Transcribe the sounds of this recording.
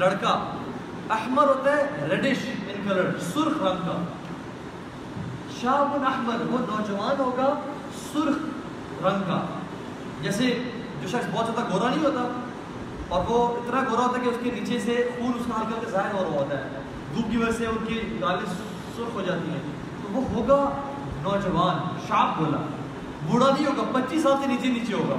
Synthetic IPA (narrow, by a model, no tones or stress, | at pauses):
ləɽkaː | ɐhməɾɦoːt̪aɦɛːɡʱələɖeːʃɪ̃nkələɽsʊɾxɾɐ̃ŋɡka̰ː | ʃaːbʊnəhməɾʋoːnɔːd͡ʒəʋaːnɦoːɡaː | sʊɾx | ɾɐ̃ŋɡka̰ː | d͡ʒɛːse | d͡ʒoːʃɐksbɔːt̪zjaːt̪aɡoːɾanəɦĩɦoːt̪aː | ɔːɾʋoɪt̪naɡoːɾaɦoːt̪akeʊskeniːt͡ʃesexuːnʊskaɦɐlkɐɾt̪ezaːɦɪɾɔːɾɦoːt̪aɦɛ̰ː | d̪uːb̚kiʋɐd͡ʒəseʊnkikaːlĩsː | ʊɾxɦod͡ʒaːt̪iɦɛ̃ː | t̪oʋoɦoːɡa | nɔːd͡ʒəʋaːnʃaːp̚boːla̰ː | bʊɽanɐɦĩɦoːɡaːpɐtːt͡ʃiːs̬ːaːlseniːt͡ʃeniːt͡ʃeɦoːɡa̰ː